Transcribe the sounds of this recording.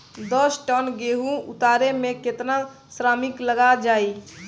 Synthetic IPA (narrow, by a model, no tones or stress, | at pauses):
d̪ɔsʈənɡeːɦũʊ̰t̪aːɾemẽket̪na | sɾaːmɪkləɡad͡ʒaːi